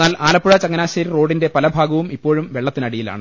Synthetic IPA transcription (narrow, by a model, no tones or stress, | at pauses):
aːlaːlɐpːuɻɐt͡ɕɐŋːɐnaːɕɐɾiro̞ːɖinde̞pɐlɐbʱaːɡɐʋumipːo̞ːɻumʋeɭːɐt̪ːinɐɽijila̰ːɳɨ